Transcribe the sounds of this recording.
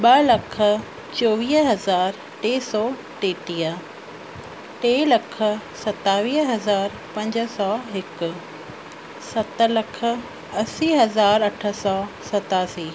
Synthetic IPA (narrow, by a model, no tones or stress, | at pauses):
ɓɐlɐkʰə̆ | t͡ɕoːʋiːɦɦɐzaːɾ | ʈeːsɔː | ʈeːʈiːə | ʈeːlɐkʰə̆sɐt̪aːʋiːɦɦɐzaːɾ | pɐ̃ɲd͡ʑsɔːɦɪk̆ | sɐt̪əlɐkʰə̆ | ɐsiːɦɐzaːɾɐʈʰə̆sɔːsɐt̪aːsiː